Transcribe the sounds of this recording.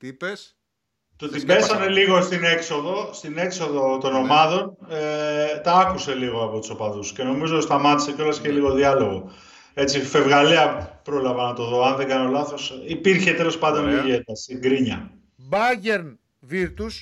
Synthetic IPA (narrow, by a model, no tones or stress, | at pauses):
t̪s | t̪ot̪ibe̞ssɐne̞liɣo̞st̪ine̞kso̞ðo̞st̪ine̞kso̞ðo̞t̪o̞no̞mɐðo̞net̪ɐɐkuse̞liɣo̞ɐpo̞t̪u̥so̞pɐðusce̞no̞mizost̪ɐmɐt̪isecolɐsceliɣo̞ðiɐlo̞ɣo̞ | e̞t͡sife̞vɣɐleɐpɾo̞lɐvɐnɐt̪o̞ðo̞ɐnðeŋɡɐno̞lɐθo̞sipiɾçe̞t̪e̞lo̞spɐnd̪oniʝet̪ɐst̪iŋɡɾiɲɐ | bɐʝeɾn | viɾt̪us